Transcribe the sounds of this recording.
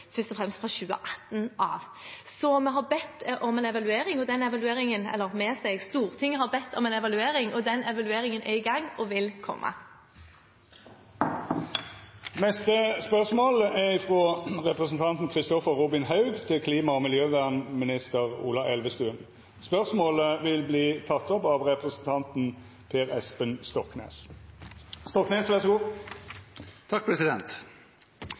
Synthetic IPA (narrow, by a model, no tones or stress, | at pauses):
fœst̪ɔfʁɛmst̪fʁɑɕʉːə̰ʔɑ̥t̪ːnʔɑ̰ːʋ | sɔmɛɦɑɾbɛt̪ːʔɔmɛnɛʋɑlʉeːɾɪŋɔd̪ɛnɛʋɑlʉeːɾɪŋənɛ̰lːəʁmɛsɛɡst̪uːʁt̪ʰɪŋːəhɑɾbɛt̪ʰːɔmɛnɛʋɑlʉeːɾɪŋɔd̪ɛnɛʋɑlʉeːɾɪŋənʔɛɾɪɡɑŋːɔʋɪlkʰɔ̰mːʔə̰ | nɛst̪əspœʁsmoːləɛʁɪfʁoʁɛpʁəsn̩t̪ʰɑnt̪n̩kʰʁɪst̪ɔfəʁʁuːbɪnhɑʉɡt̪ʰɪlkʰliːmɑɔmɪljøːʋæʁnmɪnɪst̪əʁṵːlɑʔɛlʋəst̪ʉːən | spœʁsmoːləʋɪlbliːt̪ʰɑt̪ːɔpɑʋʁɛpʁəsn̩t̪ʰɑnt̪n̩ | pʰeːʁɛspənst̪ɔknḛːs | st̪ɔkneːsʋæʁsɔɡuː | t̪ʰɑk̚pʰɾɛsɪd̪ɛnt̪